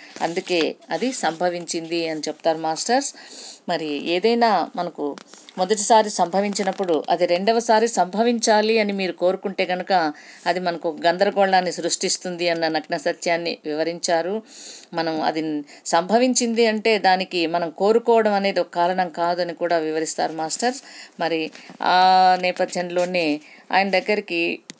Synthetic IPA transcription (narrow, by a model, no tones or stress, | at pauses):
ɐ̰nd̪uke̞ːɐd̪isɐmbʱɐʋiɲt͡ʃind̪iɐnit͡ʃɛpu̥t̪aːɾumaːsʈɐɾsmɐɾieːd̪ɐjnaːmɐnɐkumɔd̪ɐʈ̬isaːɾisɐmbʱɐʋiɲt͡ʃinɐpːuɽuʔɐ̰d̪iɾe̞ɳɖɐʋɐsaːɾisɐmbʱɐʋiɲt͡ʃaːliɐnimiːɾuko̞ːɾukuɳʈe̞ːɡɐnukɐːd̪imɐnɐkɔkɐɡɐnd̪ɐɾɐɡɔːɭlaːnːisɾuʂʈist̪und̪iɐnːɐnɐkɳɐsɐt̪jaːnːiʋiʋɐɾiɲt͡ʃaːɾumɐnɐmɐ̰d̪i | sɐmbʱɐʋiɲt͡ʃind̪iɐɳʈe̞ːd̪aːnikimɐnɐmko̞ːɾukɔːʋɐɽɐmɐneːd̪iɔkɐkaːlɐnɐmkaːd̪uɐnikuːɽaːʋiʋɐɾist̪a̰ːɾumaːsʈɐɾmɐɾiaːnɛːpɐd̪ʱjɐnlo̞ːneː | a̰ːjɐnɐd̪ɐɡːɐɾiki